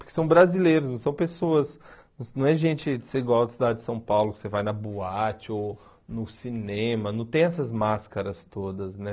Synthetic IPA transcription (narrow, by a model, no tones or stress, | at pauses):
pʊɾke̥sɐ̃w̃bɾazilejɾʊsnɐ̃w̃sɐ̃w̃pesoɐsñnɐ̃w̃ɛʒẽnt͡ʃɪkɪ̥seiɡwawd̪ɪsid̪ad͡ʒɪd͡ʒɪsɐ̃w̃pawlʊkɪ̥sevajnɐbuat͡ʃɪo | nʊsinẽmɐnɐ̃w̃t̪ẽj̃ɛsɐzmaskɐɾɐst̪od̪ɐznɛ